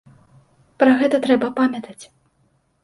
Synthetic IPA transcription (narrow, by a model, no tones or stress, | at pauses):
pɾɐɣɛt̪ɐt̪ɾɛbɐpamʲɐt̪ɐt͡sʲ